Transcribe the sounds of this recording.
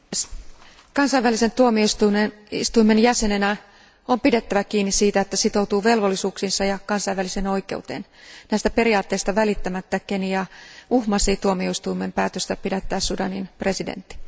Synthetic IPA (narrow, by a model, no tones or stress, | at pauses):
s | kɑnsɑiʋælisent̪uomioist̪umenḭst̪uime̞njæsenenæ | ompidet̪ːæʋækiːnːissiːt̪æet̪ːæsit̪out̪uːʋe̞lʋolːisuːksinsɑjɑkɑnsɑiʋæliseno̞ikḛut̪ḛːnnæist̪æpe̞ɾiɑːt̪ːeːst̪ɑʋælit̪ːæmæt̪ːækeniɑuhmɑsiːt̪uomioist̪uimempæːt̪øst̪æpidet̪ːæːssudɑninpre̞sidḛnt̪ːi̥